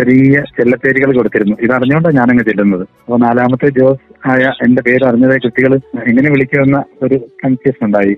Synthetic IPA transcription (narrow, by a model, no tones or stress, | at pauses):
ɐɾijɐt͡ɕelːɐt̪ːe̞ːɾiɣɐɭko̞ɽut̪ːiɾunːuʔiðɐriɲːuɣoɳɖɐɲaːneŋːet͡ɕelːunːɐðɨɐpːoːnaːlaːmɐt̪ːed͡ʑo̞ːsaːjɐʔe̞nde̞pe̞ːɾɐriɲːɐðaːjkuʈːiɣɐɭeŋːɐne̞ʋiɭikʲːuʋenːɐo̞ɾukɐnfesuɳɖaːji